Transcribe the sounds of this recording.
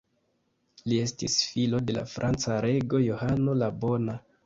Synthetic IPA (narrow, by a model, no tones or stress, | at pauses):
lie̞stisfilo̞de̞la̰fɾʔant͡saɾe̞ɡo̞jo̞hano̞labo̞na